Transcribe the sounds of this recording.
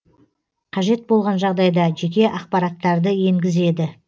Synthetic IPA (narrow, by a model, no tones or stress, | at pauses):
qʰɑʒe̞t̪̚bo̞lˠʁɑnʒɑʁd̪ɑjd̪ɑʒe̞kʲe̞ʔɑqpɑɾɑt̪ːɑɾd̪əje̞ŋɡʲɪze̞d̪ɪ